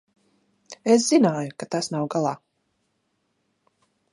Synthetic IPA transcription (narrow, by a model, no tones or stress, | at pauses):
es̬zinaːjukat̪asnawɡalˠaː